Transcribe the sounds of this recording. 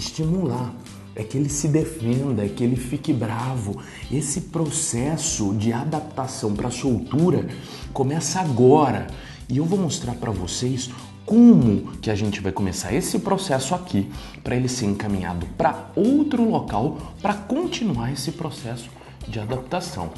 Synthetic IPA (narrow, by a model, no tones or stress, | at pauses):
ɪst͡ʃimulaɾ | ɛkɪelɪsɪd̪efẽnd̪ɐɛkɪelɪfikɪbɾavʊ | esɪpɾosɛsʊd͡ʒɪad̪ap̚t̪asɐ̃w̃pɾɐsowt̪uɾɐ | komɛsɐaɡɔɾɐ | ɪewvowmost̪ɾaɾpɾɐvo̰sejs | kõmʊkɪaʒẽnt͡ʃɪvajkõmesa̰ɾesɪpɾosɛsʊakʰi | pɾʔɐelɪseɾẽŋkamĩɲa̰d̪ʊpɾɐowt̪ɾʊlokawpɾɐkõnt͡ʃinuaɾesɪpɾosɛsʊ̥ | d͡ʒɪad̪ap̚t̪asɐ̰̃w̃